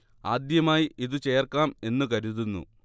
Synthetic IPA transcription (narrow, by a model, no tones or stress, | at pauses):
aːd̪jɐmaːjiʔiðut͡ɕe̞ːrkaːme̞nːukɐɾuðunːṵ